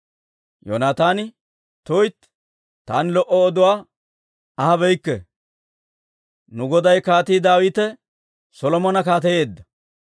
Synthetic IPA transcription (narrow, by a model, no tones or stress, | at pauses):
jo̰naːt̪aːnɪ | t̪ɔjt̪ | t̪aːnlɔʔɔːd̪ʊwaː | ɐhɐbɛjkːɛ | nʊɡɔd̪ɐjkaːt̪iːd̪aːwiːt̪ɛ | sɔlɔmɔnɐkaːt̪ɛje̞ːd̪ːɐ